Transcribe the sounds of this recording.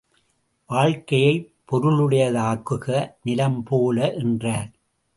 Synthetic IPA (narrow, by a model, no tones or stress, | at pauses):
ʋaːɻkɐjɐɪpːɔɾɯɭɯɽɐjɐðaːkɯɣɐnɪlɐmpoːlɐʔɛndraːɾ